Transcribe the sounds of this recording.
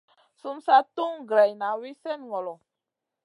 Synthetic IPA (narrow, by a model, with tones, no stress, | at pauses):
su˦msa˦tu˦ŋɡɾɛ˨jna˨wi˦sɛ˦nŋɔ˨lɔ˨